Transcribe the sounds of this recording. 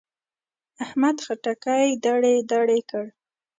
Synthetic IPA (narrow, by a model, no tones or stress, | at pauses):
ahmad̪xaʈakajd̪aɽed̪aɽekəɽ